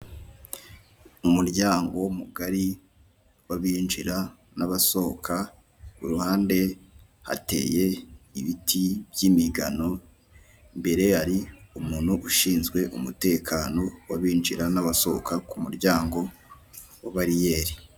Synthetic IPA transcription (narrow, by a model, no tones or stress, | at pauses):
umuɾɟaːŋɡo̞wumuɡaɾi | waβiːnd͡ʒiɾa | naβaso̞kʰa | uɾuhaːnde̞ | ha̰te̞̰ːje̞iβitʰibjiːmiɡa̰no̞ | mbe̞ɾe̞haɾiumuːn̥huʔuʃiːnzɡwe̞ʔumute̞ːkʰaːno̞waβiːnd͡ʒiɾanaβaso̞̰kakumuɾɟaːŋɡo̞ | waβaɾijeːɾi